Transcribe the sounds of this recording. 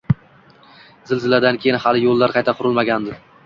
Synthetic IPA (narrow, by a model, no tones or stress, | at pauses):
z̥ɪlzɪlad̪ankʲʰejɪnhalɪjolˠːaɾqʰɑjt̪ʰaqʰʊɾɪlˠmaɡʲand̪ɪ